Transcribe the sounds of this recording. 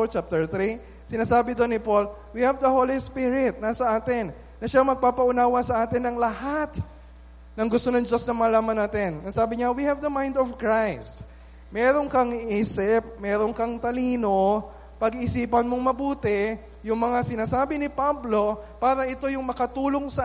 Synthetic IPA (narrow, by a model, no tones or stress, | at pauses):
t͡ʃap̚t̪ɛɹt̪ɾi | sɪnaːsaːbɪd̪onɪpo̞l | wihɐvd̪ɐhoːlispɪɾɪt̪̚nɐsɐʔaːt̪ɪn | nːɐʃamɐɡ̚paːpɐʊnaːwɐsɐʔaːt̪ɪnːɐŋlɐhat̪ | nɐŋɡʊst̪o̞nɐŋd͡ʒo̞snɐmɐlaːmɐnːaːt̪ɛnɐŋsaːbɪɲawihɐvd̪ɐmãjnd̪ɔfkɹajst̪ | mɛːɾo̞ŋkɐŋʔiːsɪp̚mɛɾoŋkɐŋt̪ɐliːno̞ | pɐɡɪsiːpɐnmo̞ŋmɐbuːt̪ɛ | jʊŋmɐŋasɪnaːsaːbɪnɪpablo̞paːɾɐʔɪt̪o̞jʊŋmɐkɐt̪uːlo̞ŋsɐ